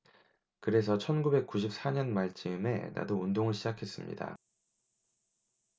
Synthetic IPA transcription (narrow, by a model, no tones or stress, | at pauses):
kɯɾe̞sʰʌt͡ɕʰʌnɡube̞k̚k͈uɕ̬ʰip̚s͈aɲʌnmaɭt͡ɕ͈ɯme̞na̰doundoŋɯɭɕʰid͡ʑakʰe̞s͈ɯmɲḭda̰